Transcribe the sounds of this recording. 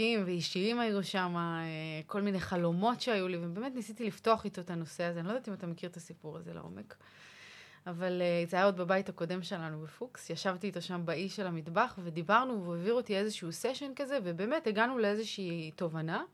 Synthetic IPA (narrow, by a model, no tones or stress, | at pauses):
imveiʃiimajuʃamaeko̞lmineχalo̞mo̞tʃeajulivebe̞ːme̞tnisit̪ilifto̞aχit̪o̞et̪ano̞seazeanilo̞dat̪imat̪amekiʁt̪asipuʁaze̞̰lḛʔo̞̰me̞k | avaleizaaodbabajthako̞de̞mʃe̞lanubefuksjaʃavtiːt̪oʃambaiʃelamidbaχve̞d̪ibaʁnuveoviʁotie̞zeʃuuseʃe̞nkaze̞ve̞be̞ːmeteɡanuleezeʃiːto̞vana